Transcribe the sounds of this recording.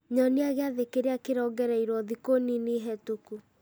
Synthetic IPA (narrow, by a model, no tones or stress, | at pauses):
ɲɔneaɣeaðekeɾeakeɾɔːɡɛɾaiɾwɔðikonineɦɛtuku